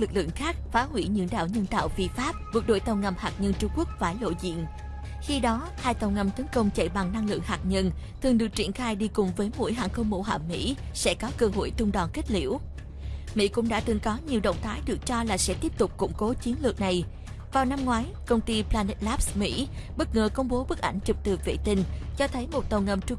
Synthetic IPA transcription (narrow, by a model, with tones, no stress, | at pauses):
lɨ˨˩k̚lɨ̰˧˨əŋxaː˦˥k̚faː˨˦hwḭ˧˩ɲɨ̰˧˥ŋɗa̰ː˧˨wɲə˧nt̪a̰ː˧˨wfi˧faː˦˥p̚vɨ˨˩k̚ɗo̰˧˨jt̪ə˨˩wŋa˨˩mhaː˨˩k̚ɲə˧nt͡ɕʊ˧ŋ͡mku˦˥ək̚faː˧˩jlo̰˧˨zḭ˧˨ən | xi˧ɗɔ˨˦ | haː˧jt̪ə˨˩wŋa˨˩mt̪ə˨˦ŋkə˧wŋ͡mt͡ɕə̰˧˩jɓa˨˩ŋna˧ŋlɨ̰˧˨əŋhaː˨˩k̚ɲə˧n | t̪ʰɨ˨˩əŋɗɨ˨˩ək̚t͡ɕḭ˧˩ənxaː˧jɗi˧kʊ˨˩ŋ͡mvəː˨˦jmṵ˧˥əjɦa̰ː˧˨nxə˧wŋ͡mmo̰˧˥ɦa̰ː˧˩mmḭ˧˥sɛ̰˧˥kɔ˨˦kɨ˧˩əŋho̰˧˨jt̪ʊ˧ŋ͡mɗɔ˨˩nki˦˥k̚lḭ˧˥əw | mḭ˧˥kʊ̰˧˥ŋ͡mɗa̰ː˧˥t̪ɨ˨˩ŋkɔ˨˦ɲi˨˩əwɗə̰˧˨wŋ͡mt̪ʰaː˨˦jɗɨ˨˩ək̚t͡ɕɔ˧laː˨˩sɛ̰˧˥t̪i˦˥əp̚t̪ʊ˨˩k͡p̚kʊ̰˧˩ŋ͡mko˨˦t͡ɕi˨˦ənlɨ˨˩ək̚na˨˩j | vaː˨˩wna˧mŋwaː˨˦j | kə˧wŋ͡mt̪i˧plaː˧nɛ˦˥t̚laː˦˥p̚smḭ˧˥ɓə˦˥t̚ŋəː˨˩kə˧wŋ͡mɓo˨˦ɓɨ˦˥k̚ʔa̰˧˩jŋ̟t͡ɕɨ˨˩p̚t̪ɨ˨˩vḛ˧˩t̪ï˧˩ŋ̟t͡ɕɔ˧t̪ʰə˨˦jmo˨˩t̚t̪ə˨˩wŋə˨˩mt͡ɕʊ˧ŋ͡m